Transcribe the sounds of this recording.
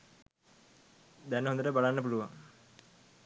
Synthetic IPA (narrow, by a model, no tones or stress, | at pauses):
d̪ɛnɦond̪əʈəbalanːəp̬uluʋaŋ